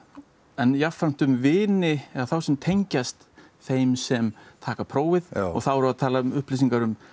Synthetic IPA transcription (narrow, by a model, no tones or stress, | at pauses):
ɛnjafan̥t̪ʏmvɪːnɪɛaθawsɛmt̪ʰejɲcast̪ | θejmsɛmt̪ʰaːkapʰɾoːwvɪðɔ̰ɣθawɛɾvaðt̪ʰaːlaʏmʏhplis̬iŋkaɾʏm